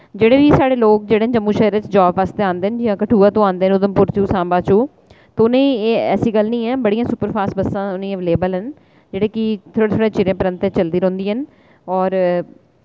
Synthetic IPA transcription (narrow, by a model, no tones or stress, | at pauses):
d͡ʒeːɽeːʋiːsaːɽeːloːk̚d͡ʒeːɽeːd͡ʒəmːuːʃɛːɾt͡ʃd͡ʒaːbʋaːst̪eːãːnd̪eːnd͡ʒɪãːkəʈʰuːaːt̪õːãːnd̪eːnʊd̪əmpʊɾt͡ʃuːsãːmbaːt͡ʃuː | t̪eːʊnẽːeɛːsiːɡəlnĩːɛ̃ːbəɽiːãːsʊpəɾpʰaːsbəsːãːʊnĩːɛ̃ːʋleːbəlɦən | d͡ʒeːɽeːkɪt̪ʰoːɽeːt̪ʰoːɽeːt͡ʃɪɾẽːpəɾə̃nt̪et͡ʃəld̪iːɾõːnd̪iːɦən | ɔːɾ